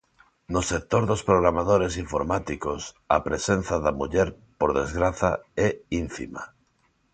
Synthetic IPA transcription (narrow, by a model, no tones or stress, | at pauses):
nosek̚t̪oɾðospɾoɣ̞ɾamað̞oɾesiɱfoɾmat̪ikos | apɾesen̟θaðamuʎɛɾ | poɾðezɣɾaθa̰ɛinfḭma̰